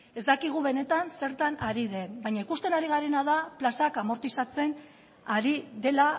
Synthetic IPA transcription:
e̞zd̪akiɣ̞uβe̞ne̞t̪anse̞ɾt̪anaɾið̞e̞bajɲaikust̪e̞naɾiɣ̞aɾe̞naðaplasakamo̞ɾt̪isat͡se̞n | aɾiðe̞la

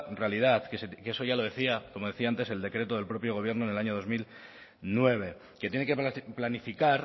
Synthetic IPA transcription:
realið̞aθkeskeso̞ʝalo̞ð̞e̞θiakomo̞ð̞e̞θiaant̪e̞se̞ld̪e̞kɾe̞t̪oðe̞lpɾo̞pjo̞ɣoβje̞ɾno̞enelaɲo̞ðo̞zmil | nwe̞β̞e̞ | ke̞t̪jenekeplanifikaɾ

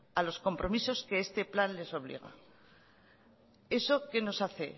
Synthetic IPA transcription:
alo̞sko̞mpɾo̞miso̞skeest̪e̞planle̞so̞βlḭɣ̞a̰ | e̞so̞ke̞no̞saθe̞

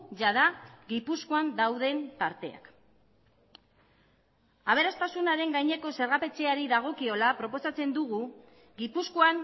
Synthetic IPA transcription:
ʝaðaɣipuskoand̪awð̞e̞nt̪aɾt̪e̞a̰k | aβ̞e̞ɾast̪asunaɾe̞ŋɡajɲe̞ko̞se̞ɾɣape̞t͡se̞aɾiðaɣ̞o̞kio̞lapɾo̞po̞sat͡se̞nd̪uɣu | ɡipuskoan

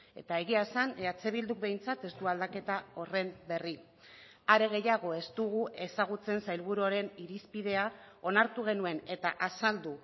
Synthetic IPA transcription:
e̞t̪ae̞ɣ̞iasaneat͡se̞β̞ild̪uk̚be̞jnt͡sat̪e̞st̪uald̪ake̞t̪ao̞re̞mbe̞ri | aɾe̞ɣ̞e̞jaɣ̞o̞e̞st̪uɣue̞saɣ̞ut͡se̞nsajlβuɾuoɾe̞niɾispiðe̞ao̞naɾt̪uɣ̞e̞nue̞ne̞t̪aʔasald̪u

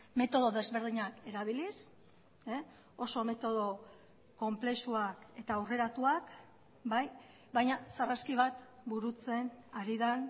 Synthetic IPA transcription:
me̞t̪o̞ð̞o̞ðe̞zβe̞ɾð̞iɲake̞ɾaβ̞ilis | e | o̞so̞me̞t̪o̞ðo̞ | ko̞mple̞suake̞t̪aːwre̞ɾat̪uak | baj | βajɲasaraskiβ̞at̪buɾut͡se̞naɾiðan

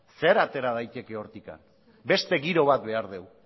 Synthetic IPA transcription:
se̞ɾat̪e̞ɾað̞ajt̪e̞ke̞o̞ɾt̪ika̰n | be̞st̪e̞ɣiɾo̞β̞at̪̚be̞aɾðe̞w

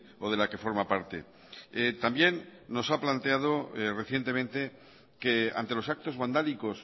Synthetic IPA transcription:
o̞ð̞e̞lake̞fo̞ɾmapaɾt̪e̞̰ | et̪ambje̞nːo̞saplant̪e̞að̞ore̞θje̞nt̪e̞mẽ̞nt̪e̞ | kea̰nt̪e̞lo̞sak̚t̪o̞zβand̪aliko̞s

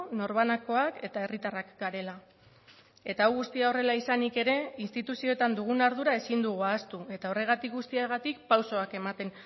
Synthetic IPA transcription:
no̞ɾβ̞anako̞ake̞t̪ae̞rit̪arakɡaɾe̞la | e̞t̪aːwɣust̪iao̞re̞laisanike̞ɾe̞inst̪it̪usio̞et̪and̪uɣ̞unaɾð̞uɾae̞sind̪uɣuast̪ue̞t̪ao̞re̞ɣ̞at̪ik̚ɡust̪iaɣat̪ik̚pawso̞ake̞mat̪e̞n

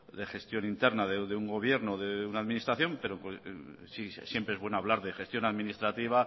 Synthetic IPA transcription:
d̪e̞xe̞st̪jo̞nint̪e̞ɾnaðeðeuŋɡo̞β̞je̞ɾnoðeunaðminist̪ɾaθjo̞mpe̞ɾoksisje̞mpɾeezβwe̞noaβ̞laɾðexe̞st̪jo̞naðminist̪ɾat̪iβ̞a

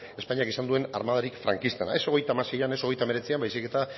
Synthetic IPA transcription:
e̞paɲiakisand̪ue̞na̰ɾrmaðaɾikfɾa̰ŋkist̪ena̰e̞so̞ɣe̞jt̪amasejane̞so̞ɣ̞e̞jt̪ame̞ɾe̞t͡siambajsike̞t̪a

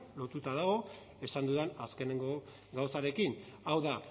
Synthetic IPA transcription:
lo̞t̪ut̪að̞aɣ̞o̞ | e̞sand̪uðenaske̞ne̞ŋɡo̞ | ɡawsaɾe̞kin | awða

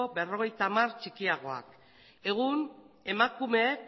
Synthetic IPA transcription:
obe̞ro̞ɣ̞e̞jt̪amart͡ʃikiaɣ̞o̞a̰k | e̞ɣ̞un | e̞makume̞

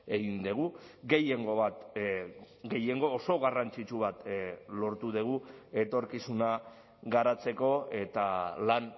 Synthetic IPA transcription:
e̞ɣind̪eɣuɡe̞jeŋɡo̞βat̪ | ɡe̞je̞ŋɡo̞ːso̞ɣarant͡sit͡ʃuβ̞at̪lo̞ɾt̪uðeɣ̞ue̞t̪o̞ɾkisuna | ɣaɾat͡se̞ko̞e̞t̪alan

